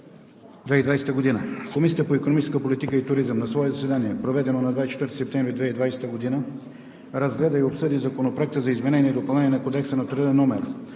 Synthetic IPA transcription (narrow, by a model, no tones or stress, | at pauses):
d̪vɛid̪vajsɛ̥t̪əɡod̪inəkomisʲit̪əpoikonomit͡ʃɛ̥skəpolit̪ikəit̪ʊɾizəmnɐsvɔɛzɐsɛd̪aniɛpɾovɛd̪ɛnonɐd̪vajst͡ʃɛ̥t̪vəɾt̪i̥sɛpt̪ɛ̃mvɾid̪vɛid̪vajsɛ̥t̪əɡod̪inə | ɾɐzɡlɛd̪əiopsɤd̪izɐkonopɾoɛk̚t̪əzɐizmɛnɛniɛd̪opɐlˠnɛniːɛnɐkod̪ɛksənɐt̪ɾəd̪ɛnɔmɛɾ